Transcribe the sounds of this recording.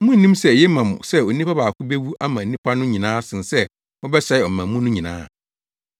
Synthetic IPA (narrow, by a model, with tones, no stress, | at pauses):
mʊ̃˦n̩˨nĩ˦msɛ˦˨jɛ˦mã˨m̃˨sɛ˦o˨nĩ˦pʰa˦baː˨kʰʊ˦be˦wu˦ʔa˦mã˨nĩ˦pʰa˦nʊ̃˦ɲĩ˨nãː˦sɪ̃˨nsɛ˦ | mɔ̃˦bɛ˦sa˦ɪ˨ɔ˨mã˨mʊ̃˦nʊ̃˦ɲĩ˨nã̰ː˦˨